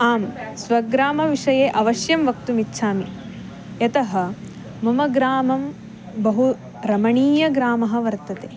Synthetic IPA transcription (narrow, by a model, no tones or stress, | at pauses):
aːmsʋɐɡɾaːmɐʋiʂɐjeːʔɐʋɐʃjɐmʋɐkt̪umitːʃʰaːmi | jɐt̪ɐɦɐ̆ | mɐmɐɡɾaːmɐm | bɐɦu | ɾɐmɐɳiːjɐɡɾaːmɐɦɐ̆ʋɐɾt̪ɐt̪eː